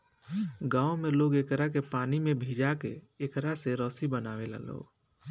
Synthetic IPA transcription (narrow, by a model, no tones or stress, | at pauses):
ɡaːomeloːɡekɾak̬epaːnimẽbʱiːd͡ʒakḛ | eːkɾaseɾɔːsibənaːʋela̰lo̰ːɡ